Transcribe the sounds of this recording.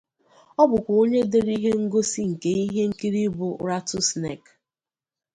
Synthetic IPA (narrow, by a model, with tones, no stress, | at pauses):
ɔ˦bʊ˨kʷo˦ɲe˦de˨ɾi˦ɦe˦ŋ̩˦ɡo˦si˦ŋ̩˨ke˨i˦ɦe˦ŋ̩˦ki˦ɾi˦bʊ˨˦ɾa˦tʊ˦snḛ˦˨k